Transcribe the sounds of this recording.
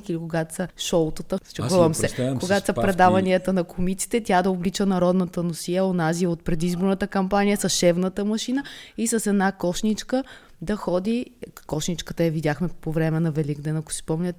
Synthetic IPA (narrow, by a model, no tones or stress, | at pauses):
kilikoɡat̪sɐʃɔlˠt̪ət̪ət͡ʃɛɡɔvɐmsɛkoɡat̪sɐpɾɛd̪avɐniət̪ənɐkʰomit̪si̥t̪ɛt̪ʲjad̪ɐoblit͡ʃənɐɾɔd̪nɐt̪ənosiəonaziot̪̚pɾɛd̪izboɾnət̪əkɐmpanijəsɐsʃɛvnət̪əmɐʃinəisɐsɛd̪nakɔʃnit͡ʃkə | d̪ɐxɔd̪ikɔʃnit͡ʃkət̪əjɐvid̪ʲaxmɛpovɾɛmɛnɐvɛliɡd̪ɛnɐko̥sispɔmnʲət̪